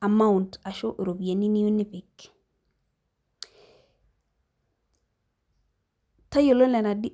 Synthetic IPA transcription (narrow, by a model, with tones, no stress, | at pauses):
a˨ma˦unta˨ʃo˦ʔɾo˨bi˨ja˨ni˦ni˦ju˦ni˦pi˨k | ta˦jo˨lo˦nlɛ˨na˨di˦